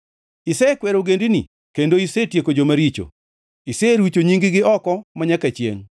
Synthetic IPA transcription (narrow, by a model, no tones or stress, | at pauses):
isɛkwɛɾoɡendini | kendoisetjekod͡ʒomaɾit͡ʃo̰ | iseɾwit͡ʃoɲiŋɡɪɡɪɔkɔmaɲakat͡ʃjḛŋ